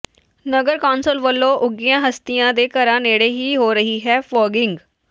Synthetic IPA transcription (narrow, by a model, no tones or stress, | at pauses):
nəɡəɾkaːnsəlʋəlːõːʔʊɡijãːɦəst̪ijãːd̪eːkəɾãːneːɽeːɦiːɦoːɾəɦiːɦɛːfɔːɡɪŋɡ